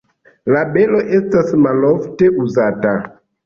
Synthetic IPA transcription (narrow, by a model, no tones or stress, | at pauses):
labe̞lo̞ʔe̞stasmalofte̞ʔuzata